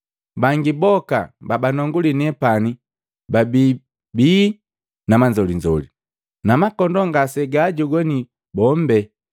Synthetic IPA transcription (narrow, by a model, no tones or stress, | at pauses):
baŋɡibɔkababanɔŋɡulinɛpani | babi | bi | namand͡ʒɔliɲd͡ʒɔli | namakɔndɔŋɡasɛɡaɟɔɡɔni | bɔmbɛ